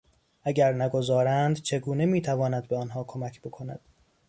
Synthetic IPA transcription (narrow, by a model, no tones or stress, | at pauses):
ʔæɟæɾnæɡo̞zɒːɾænd̪t͡ʃʰe̞ɡuːne̞miːt̪ʰævɒːnæd̪̚beɒnɦɒːkʰo̞mæcʰbo̞kʰo̞næ̰d̪̥